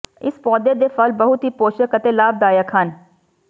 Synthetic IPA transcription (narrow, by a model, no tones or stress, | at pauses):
ɪ̰spɔːd̪eːd̪eːfəlbəɦʊt̪ɦiːpoːʃəkət̪eːlaːb̚d̪aːjəkʰən